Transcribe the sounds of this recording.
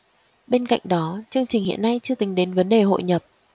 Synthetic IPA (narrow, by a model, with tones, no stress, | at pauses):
ɓe˧nka̰˧˨jŋ̟ɗɔ˨˦t͡ɕɨ˧əŋt͡ɕï˨˩ŋ̟hḭ˧˨ənːa˧jt͡ɕɨ˧ət̪ï˨˦ŋɗe˨˦nvə˨˦nɗe˨˩ɦo̰˧˨jɲə˨˩p̚